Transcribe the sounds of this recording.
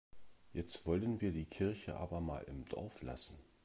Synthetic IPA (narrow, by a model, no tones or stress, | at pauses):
jɛt͡stv̥ɔlənviːɐdiːkʰɪɐçəʔa̰ːbɐma̰ːlɪ̰md̥ɔ̰ɐfla̰sn̩